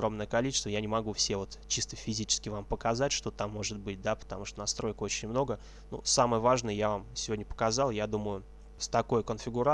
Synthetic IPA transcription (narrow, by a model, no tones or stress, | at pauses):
ɾo̞mnəjəkɐlʲit͡ɕɪ̥st̪vəjanʲɪmɐɡufsʲevo̞t̪t͡ɕist̪əfʲɪzʲit͡ɕɪ̥skʲɪvampəkɐzatʲʂt̪o̞t̪amːo̞ʐɨt̪̚bɨt̚ʲd̪apə̥t̪ɐmuʂt̪onɐst̪ɾo̞jko̞t͡ɕɪnʲmno̞ɡə | nṵsaməjəvaʐnəjəjavamsʲɪvo̞dʲnʲəpə̥kɐzɑlˠjad̪uməjʊ | st̪ɐko̞jkənfʲɪɡʊɾa